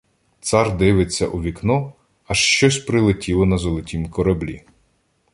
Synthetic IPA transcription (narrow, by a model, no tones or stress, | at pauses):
t̪sɑrd̪ɪʋɪt͡sʲːɐ̰ʔuʋʲiknɔ | ɐʃt͡ʃɔsʲpɾɪlˠɪtʲilˠɔnɐzɔlˠɔtʲimkɔɾɐblʲḭ